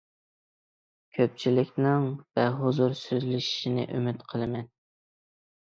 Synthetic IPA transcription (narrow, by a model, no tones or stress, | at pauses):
kʲʰøp̚t͡ʃʰilɪkʲnɪŋvɛɦozuɾsyzlɪʃi̥ʃinɪ̰ʔømɪt̪qʰəlˠɨmɛn